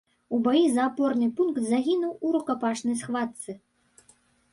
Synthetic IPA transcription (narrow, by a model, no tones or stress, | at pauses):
ubajizɐːpɔrnɨpunkt̪zaɣʲinuwuɾukapaʂnɐjsxvat̪sɨ